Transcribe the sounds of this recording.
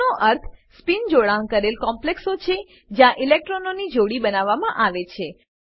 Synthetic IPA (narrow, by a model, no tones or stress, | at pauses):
oʔəɾt̪ʰspind͡ʒoɭaŋkəɾelkɔmpleksot͡ʃʰe | d͡ʒjãʔilek̚ʈɾononid͡ʒoɽibənaʋːamãʔaʋet͡ʃʰe